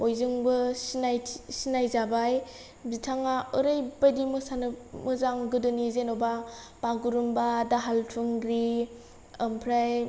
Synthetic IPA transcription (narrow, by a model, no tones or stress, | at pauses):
ojzɯŋbɯsnajsinajzabaj | bitʰaŋaɯɾɯjbajdimɯsanɯmɯzaŋɡɯdɯnizenoba | b̥aɡuɾumbadaɦaltʰuŋɡɾi | əmpʰɾaj